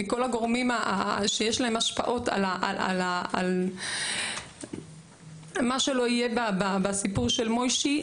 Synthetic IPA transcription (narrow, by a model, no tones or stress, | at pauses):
iko̞laɡo̞ʁmimaaʃejeʃlaɦe̞maʃpa̰ʔo̞ta̰laʔa̰laal | maʃe̞lo̞ijebababasipuʁʃe̞lmo̞jʃi